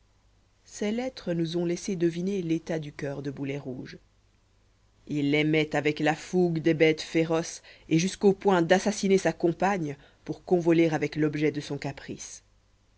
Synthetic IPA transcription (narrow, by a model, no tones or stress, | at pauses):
sɛlɛt̪χənuzɔ̃lɛsed̪əvinelet̪ad̪ykʲœʁd̪əbulɛʁuːʒ | ilːɛmɛt̪avɛklafuɡd̪ɛbɛt̪feʁɔseʒyskopwɛ̃d̪asasinesakɔ̃paɲ | puʁkɔ̃vɔleʁavɛklɔbʒɛd̪əsɔ̃kapχis